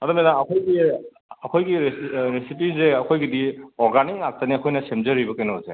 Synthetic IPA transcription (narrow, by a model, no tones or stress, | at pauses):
ɐdɐmenaːkʰojɡi | ɐkʰojɡiɾesip̬izeɐkʰojɡidiɔɾɡaniŋak̚taniakʰojnɐsemzɐɾibɐkajnazḛ